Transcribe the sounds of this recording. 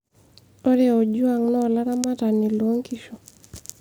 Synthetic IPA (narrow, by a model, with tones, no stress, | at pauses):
o˦ɾeo˨d͡ʒu˦a˨ŋnɔ˦˨la˦ɾa˦ma˦ta˨ni˨lo˦ŋki˦ʃo˨